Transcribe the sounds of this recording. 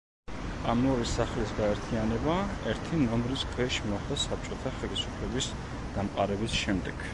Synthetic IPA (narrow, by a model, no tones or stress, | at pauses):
amnɔɾisaχlisɡaɛɾt̪ʰianɛbaɛɾt̪ʰinɔmɾiskʰwɛʃmɔχd̪asap̚t͡ʃʼɔt̪ʰaχɛlisupʰlɛbis | d̪̥amqʼa̰ɾɛbisʃɛmd̪ɛɡ̥